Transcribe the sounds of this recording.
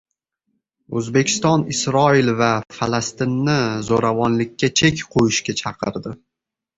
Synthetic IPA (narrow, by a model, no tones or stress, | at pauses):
ɵzbe̞kʲɪ̥st̪ɒnɪsɾɒɪlvafalast̪ɪnːɪzoɾavɒnlɪkʲʰːat͡ʃʰekʲqʰojɪʃkʲat͡ʃʰɑqʰɨ̰ɾd̪ɪ